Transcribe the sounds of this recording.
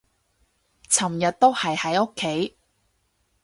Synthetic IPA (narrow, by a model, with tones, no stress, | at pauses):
t͡sʰɐ˨˩mjɐ˨t̚t̪o˥whɐ˨jhɐ˨˥jo˥kʰːe˨˥j